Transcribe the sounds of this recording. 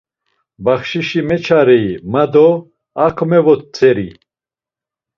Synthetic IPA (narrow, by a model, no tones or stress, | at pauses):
baχʃiʃimɛt͡ʃʰaɾɛimad̪ɔ | akʰɔmɛvɔt̪̚t͡sʰɛɾi